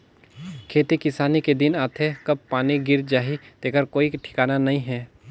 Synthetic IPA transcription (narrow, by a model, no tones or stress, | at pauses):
kʰeːt̪ikɪsaːniked̪ɪnaːt̪ʰekɐb̚paːniɡɪɾd͡ʒaːɦit̪eːkəɾkoːiʈʰɪ̥kaːnanɐɦĩɦɛː